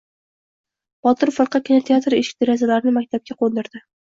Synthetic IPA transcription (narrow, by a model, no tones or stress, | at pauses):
b̥ɒt̪ʰɪɾfɨɾqɑkʲʰɪnat̪ʰeat̪ɾeʃɪ̥kʲd̪eɾazalaɾɪnɪmak̚ʲt̪ʰab̚kʲaqʰond̪ɪɾd̪ɪ